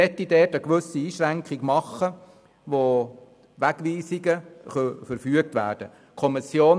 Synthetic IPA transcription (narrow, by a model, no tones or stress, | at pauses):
ɛtːidɛːtəkʋɵsiiːʃɾæŋkχiɡmɑχːə | ʋo | ʋæɡ̥ʋiːsiɡəχœfəɾfyək̚tʋæ̰ːɾd̥ə | kʰɔmisjoːn